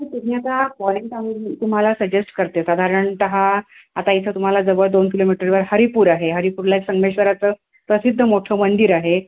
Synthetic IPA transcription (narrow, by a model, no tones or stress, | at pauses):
it̪ujat̪akɔleɳʈaʋiɾmit̪um̤alasəd͡ʑesʈkəɾt̪esad̪ʱaɾəɳʈ̪əɦa | at̪ait͡sʰət̪um̤alad͡zəbəɭd̪onkilomiʈəɾʋəɾhəɾipuːɾaɦeɦəɾipuːɾlaeksəŋɡʋeɕʋəɾat͡səː | pɾəsid̪ʱːəmoʈʰəmənd̪iɾaɦe